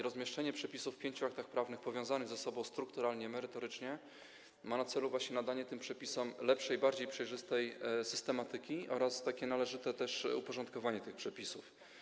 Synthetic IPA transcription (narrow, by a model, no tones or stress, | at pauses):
ɾɔzmʲjɛʂt͡ʂɛɲɛpʂɛpʲisufːpʲjeɲt͡ɕuak̚t̪axpɾavnɘxpɔvʲjɔ̃w̃zanɘɣzasɔbɔ̃w̃st̪ɾukt̪uɾalɲɛmɛɾɘt̪ɔɾɘt͡ʂɲɛ | manat̪sɛluvwaɕɲɛnad̪aɲɛt̪ɘmpʂɛpʲisɛmlɛpʂɛjbaɾd͡ʑejpʂɛjʐɘst̪ɛjsɘst̪ɛmat̪ɘkʲiʔɔɾast̪akʲɛnalɛʐɘt̪ɛt̪ɛʂṵpɔʐɔnt̪̚kɔvaɲɛt̪ɘxpʂɛpʲisuf